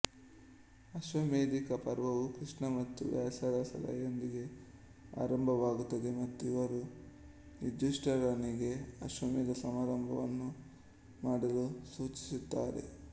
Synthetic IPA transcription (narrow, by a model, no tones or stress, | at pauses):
ɐʃʋɐmeːd̪ikɐpɐɾʋɐʋukɾiʂɳɐmɐt̪ːṵʋjaːsɐd̪ɐsɐ̰lɐ̰jond̪iɡe̞ | a̰ːɾɐmbʱɐʋaːɡut̪ːɐd̪e̞mɐt̪ːuiʋɐɾu | nid̪ːuʂʈɐɾɐniɡe̞ɐʃʋɐmeːd̪ɐsɐmaːɾɐmbʱɐʋɐnːu | maːɽɐlusuːt͡ʃi̥sut̪ːaːɾe̞̰